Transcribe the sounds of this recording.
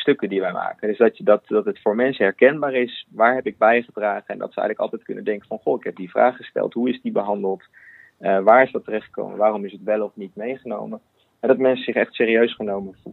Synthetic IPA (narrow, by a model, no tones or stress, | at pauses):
stɵkədiʋɛjma̰ːkəndɵzdɑdɑtdɑtətfʊːɹmɛnsəɦɛɹkɛnbaːɹɪsʋaːɹɦɛpɪɡ̚bɛjχədraːχəɛndɑ̰tsəɛ̰jənləkɑlˠtɛjt̚kɵnə̰ndɛŋkəvɑnχoɪkɦɛp̚divra̰ːχːə̥stɛ̰lˠtɦuɪzdibəɦɑndəlˠt | əʋaːɹɪsdɑtərɛχtχə̥ko̰wmə̰ʋaːrɔmɪsətʋɛlˠɔfnitmejχəno̰wmə | ɦɛdɑtmɛnsəzɪχɛχtsɪːriøɥsχənowməvu